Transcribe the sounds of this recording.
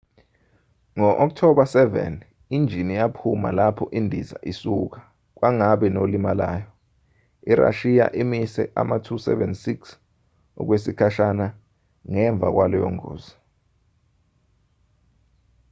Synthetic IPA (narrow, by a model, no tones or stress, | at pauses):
ŋɔʔɔk̚tʰɔɓasɛvɛ̰n | ind͡ʒʱinijapʰuma̰lapʰɔʔindʱiza̰ʔisuk̬ḁ | k̬waŋaɓɛnolimalaːjɔ | iɾa̰ʃija̰ʔimisɛ̰ʔa̰matʰusɛ̰vɛnsiks | ɔ̰k̬wesikʰaʃana | ŋɛɱb̪vʱa̰k̬walɔjɔ̰ŋo̰ːz̥a